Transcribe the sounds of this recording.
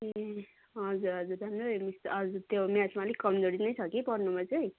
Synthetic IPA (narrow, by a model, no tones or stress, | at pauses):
e | ʌd͡zuɾʌd͡zuɾd̪ʱʌmomisʌd͡zut̪jomjat͡smalekʌmd͡zoɽinʌjt͡sʰʌkipʌɾnumat͡sʌj